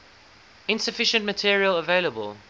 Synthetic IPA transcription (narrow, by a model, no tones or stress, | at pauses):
ɪ̃nsəfɪʃə̃ntmətʰiəɹiələveɪləbə̰lˠ